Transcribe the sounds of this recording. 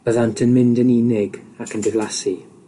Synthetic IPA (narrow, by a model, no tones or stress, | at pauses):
b̥əðantʰənmɪ̃ndəniːnɪɡakʰəndɪvlˠasi